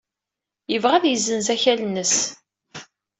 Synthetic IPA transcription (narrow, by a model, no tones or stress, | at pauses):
jəvʁæðjəzːənzæçælnːəs